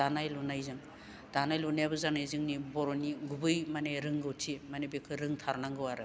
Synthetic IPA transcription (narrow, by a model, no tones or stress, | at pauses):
anajlunajzɯŋ | d̥anajlunajbɯzanajzɯŋnibɔɾoniɡubɯjmaneɾɯŋɡɯwtʰimanebekʰɯɾɯŋtʰaɾnaŋɡɯwaɾɯ